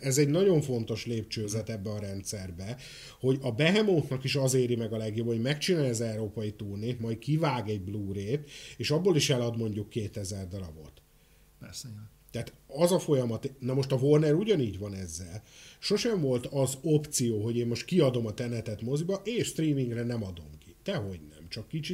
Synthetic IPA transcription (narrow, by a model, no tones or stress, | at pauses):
ɛzɛɟnɒɟo̞ɱfo̞nt̪o̞ʃleːpt͡ʃøːzɛt̪ɛbːɛɒɾɛnt̪sɛrbɛ | ho̞ɟɒbɛɦɛmo̞nk̪nɒkiʃɒzeːɾimɛɡɒlɛɡjobhoɟmɛkt͡ʃinaːlɛzɛuɾoːpɒjit̪uːrneːt̪mɒjt̪kivaːɡɛɟbluːɾeːt̪eːʃɒbːoliʃɛlɒd̪mo̞ɲɟukːeːt̪ɛzɛrd̪olɒbo̞̰t̪ | pɛrsɛjː | ɛat̪ɒzɒfo̞jɒmɒt̪nɒmo̞ʃt̪ɒvo̞rnɛɾuɟɒniːɟvɒnɛzːɛlʃo̞ʃɛɱvo̞lt̪ɒzopt̪sijoːɦo̞ɟeːmːo̞ʃt̪kiɒd̪o̞mɒt̪ɛnɛt̪ɛt̪mo̞zibɒʔeːʃst̪riːmiŋɡrɛnɛmɒd̪o̞̰mkit̪ɛɦo̞ɟnɛ̰mt͡ʃɒkːit͡ʃi